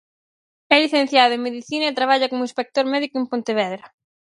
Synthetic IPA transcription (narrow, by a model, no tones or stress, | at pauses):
ɛliθẽn̟θjaðʊẽmeðiθinɐet̪ɾaβ̞aʎɐkomʊĩnspek̚t̪oɾmɛðikʊempont̪eβ̞ɛðɾɐ